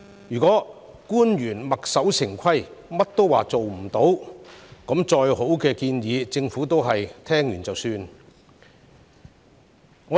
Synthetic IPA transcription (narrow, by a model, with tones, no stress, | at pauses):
jyː˨˩kɔː˨˥ | kuː˥njyː˨˩nmɐ˨k̚sɐ˨˥wsʰɪ˨˩ŋkʷʰɐ˥jmɐ˥t̚t̪o˥wwaː˨˩t͡so˨wm̩˨˩t̪o˨˥wkɔ˨˥mt͡ʃɔː˧jho˨˥wkɛː˧kiː˧njiː˨˧t͡sɪ˧ŋfuː˨˥t̪o˥wɦɐ˨jt̪ʰɛː˥ŋjyː˨˩nt͡sɐ˨wsyː˧n | ŋɔː˨˧